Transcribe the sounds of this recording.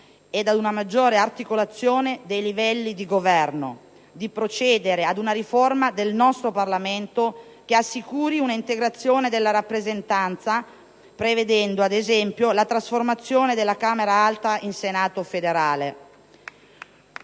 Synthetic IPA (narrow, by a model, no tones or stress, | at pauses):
ɛd̪ad̪unamad͡ʒːoːɾeart̪ikolat̪sːjoːned̪ejlivɛlːid̪iɡovɛrno̰ | d̪ipɾot͡ʃɛːd̪eɾead̪unaɾiformad̪elnɔst̪ɾoparlament̪o | keasːikuːɾiunaint̪eɡɾat̪sːjoːned̪elːaɾapːɾezent̪ant̪sa | pɾeved̪ɛnd̪oad̪ezɛmpjolat̪ɾasformat̪sːjoːned̪elːakaːmeɾaalt̪ainsenaːt̪ofed̪eɾaːle